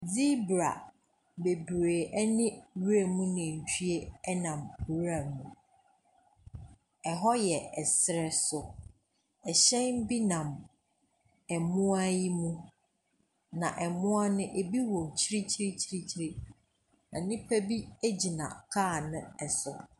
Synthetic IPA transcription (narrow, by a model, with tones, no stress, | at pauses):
d͡zi˦bɾa̰˨ | be˨bɾeː˨ʔɛ˦nɪ̃˦ɥɾe˦˨mũ˦nɪ̃˨t͡ɕʰᶣɥe˦ɛ˦nã˨m˨wɾa˨mũ˨ | ɛ˨ɦɔ˦jɛ˨ɛ˨sɪ˨ɾɛ˨sʊ˨ | ɛ˨ɕɛ̃˦nbi˦nã˨m | ɛ˨mʊ̃˦a˦ji˦mũ˦ | nã̰˨ʔɛ˨mʊ̃˦a˦nʊ̃˦ʔe˨bi˦wɔ̃˨t͡ɕʰi˦ɾi˦t͡ɕʰi˦ɾi˦t͡ɕʰi˦ɾi˦t͡ɕʰi˦ɾi˦ | nã˨nɪ̃˦pʰæ˦bi˦e˦d͡ʑi˨nã̰˨kʰaː˦˨nʊ̃˦ɛ˨sʊ˨